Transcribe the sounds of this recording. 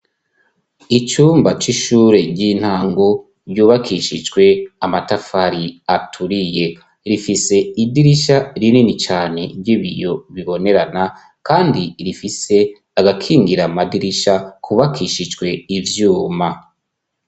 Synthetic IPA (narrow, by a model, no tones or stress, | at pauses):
it͡ʃuːmbat͡ʃiʃuːɾe̞ɟin̥haːŋɡo | ɾjuːβakʰiʃid͡ʒɡwe̞amatafaɾiatʰuɾije̞ | ɾifise̞idiɾiʃaɾininit͡ʃaːne̞ɾjɟiβijo̞βiβo̞ne̞ɾana | kaːndiɾifise̞ | aɡakʰiːŋɡiɾamadiɾiʃakʰuβakʰiʃid͡ʒɡwe̞ivjuːma